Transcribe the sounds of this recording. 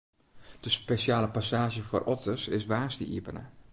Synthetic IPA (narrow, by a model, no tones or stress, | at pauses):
d̥əspeʃaːləpasaːʒjəfo̰rʔɔtʰəsɪsʋaːstə̰ʔḭpənə̰